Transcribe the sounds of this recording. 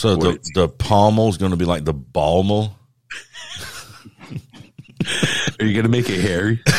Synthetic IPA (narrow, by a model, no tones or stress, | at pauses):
soʊðəðəpʰɑmoʊzɡoʊ̃ntʰəbilaɪk̚ðəbɑlˠmo | ə˞jɨɡʌnəmeɪkɨhɛɹi